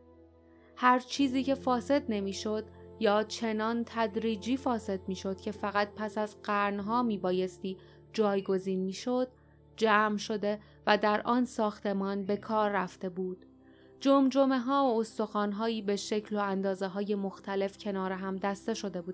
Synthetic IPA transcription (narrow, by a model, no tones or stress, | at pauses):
hæɾt͡ʃʰiːziːcʰe̞fɒːse̞d̪ne̞miːʃo̞d̪jɒːt͡ʃʰe̞nɒːnt̪ʰæd̪ɾiːd͡ʒiːfɒːse̞d̪̚miːʃo̞d̪̥cʰe̞fæɣæt̪̚pʰæsæzɢæɾnɦɒːmiːbɒːje̞st̪iː | d͡ʒɒːjɡo̞ziːnmiːʃo̞d̪̥̚ | d͡ʒæːmʃo̞d̪e̞ | væd̪æɾʔɒːnsɒːxt̪e̞mɒːnbe̞kʰɒːɾːæft̪e̞buːd̪̥ | d͡ʒomd͡ʒo̞me̞ɦɒːoost̪o̞xɒːnɦɒːiːbe̞ʃe̞cʰlo̞ænd̪ɒːzeɦɒːje̞moxt̪ʰæle̞fcʰe̞nɒːɾeɦæmd̪æst̪e̞ʃo̞d̪e̞buːd̪